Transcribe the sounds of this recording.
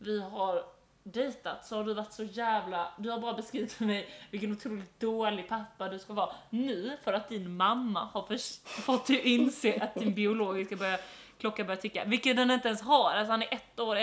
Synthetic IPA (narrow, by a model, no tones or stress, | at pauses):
vɪɦaɾ | ɖɛjt̪at̪sɔhaɖɵvaʈːsɔjæːvlad̪ɵhaɾbɑːɾabɛskɾiːvɪt̪fœɾmɛjvɪlk̬ːənʊt̪ʰɾuːlɪkt̪̚d̪oːlɪɡ̚pʰapːad̪ɵskaɦɑːnʉ̟ːfœɾat̪̚d̪ɪnmamːa̰haɾfœfɔt̪d̪ɛʔɪnseːʔat̪̚d̪ɪnbɪʊloːɡɪskabœɾja | kʰlɔkːabœɾjat̪ʰʏkːa̰vɪlkːət̪d̪ɛnɪnt̪əɛnsɦaɾas̬ɔhanæɾʔɛt̪ːoːɾɪ